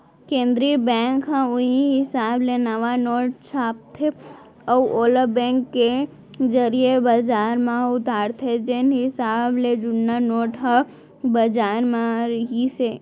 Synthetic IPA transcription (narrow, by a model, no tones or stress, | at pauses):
kẽːnd̪ɾibɛ̃ːŋkɦãʊɦiɦɪsaːblenɐʋanoːʈ̚t͡ʃʰaːp̚t̪ʰe | ɔoːləbɛ̃ːŋkːe | d͡ʒəɾiebad͡ʒaːɾmãʊt̪aːɾt̪ʰed͡ʒenɦɪsaːbled͡ʒʊnanoːʈɦã | bɐd͡ʒaːɾmãɾɦise